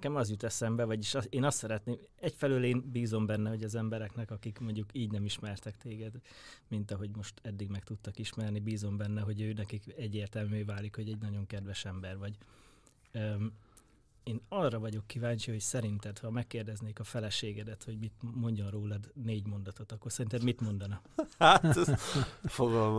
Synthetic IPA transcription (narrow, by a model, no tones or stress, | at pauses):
kɛmɒzjut̪ɛsɛmbɛvɒɟiʃeːnɒst̪sɛɾɛt̪neːm | ɛcfɛløːleːnbiːzo̞mbɛnːɛho̞ɟɒzɛmbɛɾɛknɛkɒkikmo̞ɲɟukiːɟnɛmiʃmɛrt̪ɛkt̪eːɡɛd̪mint̪ɒɦo̞ɟmo̞ʃt̪ɛd̪ːiɡmɛkt̪ut̪ːɒkiʃmɛrnibiːzo̞mbɛnːɛɦo̞ɟøːnɛkikɛɟːeːrt̪ɛlmyøːvaːlikho̞ɟɛɟnɒɟo̞ŋkɛd̪ʋɛʃɛmbɛrvɒɟ | eːnɒrːɒvɒɟo̞kːivaːɲt͡ʃiho̞csɛɾint̪ɛt̪hɒmɛkːeːrd̪ɛzneːkɒfɛlɛʃeːɡɛd̪ɛt̪ho̞ɟmit̪mo̞ɲɟonroːlɒd̪neːɟmo̞nd̪ɒt̪o̞t̪ɒkːorsɛɾint̪ɛd̪mit̪mo̞nd̪ɒnɒat̪ | foɡɒlm